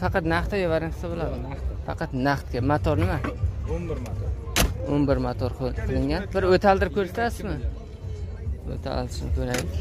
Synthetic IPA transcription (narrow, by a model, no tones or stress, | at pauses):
fɑqɑt̪naχt̪ʰajɪvaɾɪŋqʰɨ̥sabolˠad̪ɪ | fɑqʰɑt̪naχt̪kʲamat̪ʰɒɾnɪma | onbɪɾmat̪ʰɒɾqʰqʰɨlˠɪŋɡʲanbɪɾɵt̪ʰalˠd̪ɪɾɪp̚kʲʰɵsɪ̥t̪ʰasɪzmɪ | ɵ̰t̪ʰa̰ld̪ɪʃɪnɪkʲʰɵɾajd̪ɪkʲ